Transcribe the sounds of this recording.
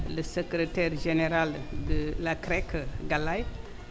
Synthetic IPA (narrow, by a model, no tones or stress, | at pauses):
ləsəkɾetɛɾʒeneɾaldəlakɾɛkɡalaj